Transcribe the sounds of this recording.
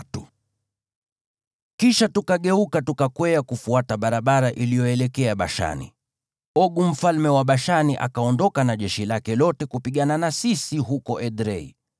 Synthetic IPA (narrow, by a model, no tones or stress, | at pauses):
tu | kiʃatukaɠɛukatukakwɛakufuataɓaɾaɓaɾaʔilijɔɛlɛkɛaɓa̰ʃa̰nḭ | ɔɠum̩falmɛwaɓaʃaniʔa̰kaɔndɔkanaʄɛʃilakɛlɔtɛkupiɠananasisiɦukɔʔɛɗɾɛḭ